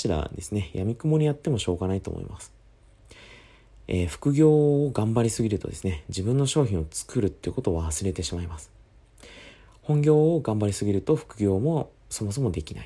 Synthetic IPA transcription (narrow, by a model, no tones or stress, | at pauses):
ɕiɾa̰d̪e̞sɨne̞jamʲikomo̞ɲ̟ijat̪ːe̞mo̞ɕo̞ːɡanait̪o̞̰mo̰ḭmasɨ̥ | eːɸɯ̟̥kɯ̟ɡʲo̞ːɡãmbaɾʲisɨɡʲiɾɯ̟t̪o̞d̪e̞sɨ̥ned͡ʑibɯ̟̃nːo̞ɕo̞ːçʲĩɰ̃ot͡sɨ̥kɯ̟ɾɯ̟t̪ːe̞iɯ̟ko̞t̪o̞ːβaasɨɾe̞t̪e̞ɕimaimasɨ̥ | hõ̞ŋɡʲo̞ːɡãmbaɾʲisɨɡʲiɾɯ̟t̪o̞ɸɯ̟̥kɯ̟ɡʲo̞ːmo̞ | so̞mo̞s̬o̞mo̞d̪e̞kʲina̰i